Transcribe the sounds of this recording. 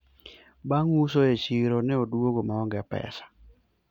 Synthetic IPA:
baŋusoet͡ʃiɾonɛodwoɡomaɔŋɡɛpɛ̰sḁ

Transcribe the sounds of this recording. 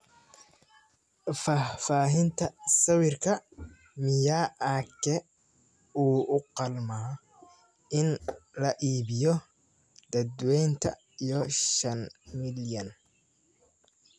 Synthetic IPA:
fafaːɦɪnt̪ʰɐsɐwɪrkʰɐ | mɪjaːʔakʰɛ | uːʊqɑlmaː | ɪnlɐʔiːβɪjɔ | d̪̥ɐd̪wɛjnt̪ʰɐ̰ | ijɔʃɐnmɪljɐn

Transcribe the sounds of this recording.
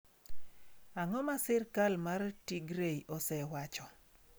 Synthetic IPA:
aŋɔmasɪrkalmartiɡɾeiʔɔsɛwat͡ʃɔ

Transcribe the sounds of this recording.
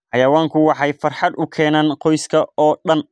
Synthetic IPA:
ħɑjɐwaːŋkʰʊwɑħɑjfɐrħɑd̪ʊkʰɛːnaːnqɔjskʰɐɔːɗɐn

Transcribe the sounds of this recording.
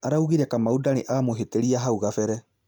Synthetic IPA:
aɾauɣiɾɛkamaudaneʔaːmoɦeteɾiaɦauɣafɛɾɛ

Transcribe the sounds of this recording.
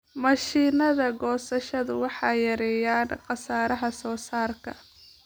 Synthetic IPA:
mɐʃiːnɐðɐɡɔːsɐʃɐðʊwɑħɑːjɐɾɛːjaːnqɑsaːɾɐɦɐsɔːsaːrkʰɐ

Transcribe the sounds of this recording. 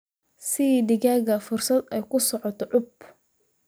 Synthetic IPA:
sɪd̪ɪɣaːɣɐfʊrsɐd̪ɛjkʰʊsɔʕɔt̪ʰɔʕʊb

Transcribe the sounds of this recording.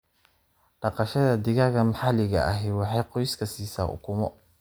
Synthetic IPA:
ɖ̥ɑqɑʃɐðɐd̪ɪɣaɣɐmħɑlɪɣɐ̰ʔɐɦɛwɑħɑjqɔjskʰɐsiːsa̰ːʔʊ̰kʰʊmɔ̰

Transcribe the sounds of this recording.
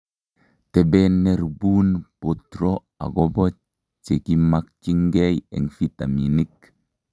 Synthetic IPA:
tebenːeɾbunpotɾo | a̰ɡobot͡ʃ | t͡ʃekimak̚t͡ʃiŋɡejḛŋfitaminik̚

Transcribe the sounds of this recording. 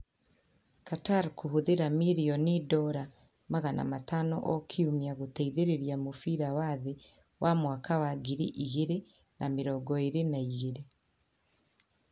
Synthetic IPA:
kataɾkuhuðeɾamiɾiɔnidɔɾa | maɣanʔa̰matanɔ̰ʔɔkʰiumiaɣotɛiðeɾeɾjamofiɾawaðe | wʔamwakawaɡiɾiʔiɣeɾe | nʔameɾɔɡɔeɾenaiɣeɾe

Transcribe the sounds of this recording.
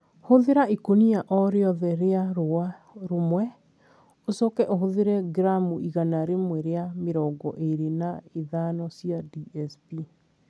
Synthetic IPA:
hoðeɾaikonijaʔɔɾeɔðɛɾeaɾoa | ɾomwɛ | osɔkɛʔoɦoðeɾɛɡɾamuʔiɣanaɾemwɛɾeameɾɔɡɔ̰ʔeɾenaeðanɔsiadiɛspi

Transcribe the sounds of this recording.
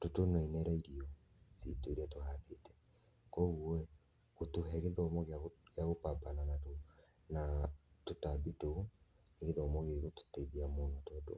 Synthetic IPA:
totonoinɛɾaiɾiɔ | sḭtoiɾiatohaːdetɛ̥ | koɣuɛ | ɣotuɦɛɣeðɔmɔɣakeaɣopabananato | natotabito | neɣeðɔmoɣeɣoto̥teðiamonɔtɔdo̰

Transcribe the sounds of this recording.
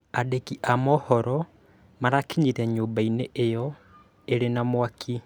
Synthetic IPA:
adekiʔamɔhɔɾɔ | maɾakiɲiɾɛɲoːmbaineʔejɔ | eɾenamwakʰi

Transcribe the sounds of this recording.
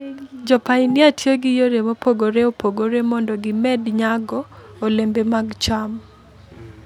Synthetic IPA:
d͡ʒɔpainɪatjoɡɪjoɾemopoɡoɾeopʰoɡoɾemɔndɔɡɪmɛdɲaɡɔː | lembemaɡt͡ʃam

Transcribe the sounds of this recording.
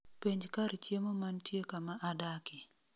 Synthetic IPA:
piɲd͡ʒkaɾt͡ʃjemomantjekamaʔadakɪ

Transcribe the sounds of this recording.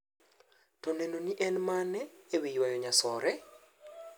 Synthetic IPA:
tɔnɛnoniʔɛnmanɛːwijwajɔɲasɔɾɛ

